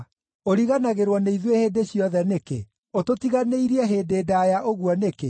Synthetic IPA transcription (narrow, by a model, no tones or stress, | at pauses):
oɾiɣanaɣeɾwɔneiðwehedeɕjɔðɛnekḛ | ototiɣaneiɾiɛɦeːdeːdajaʔoɣuɔneke